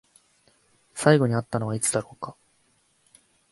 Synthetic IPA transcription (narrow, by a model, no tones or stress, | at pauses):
saiɡo̞ɲ̟iat̪ːano̞βait͡sɨd̪aɾo̞ːka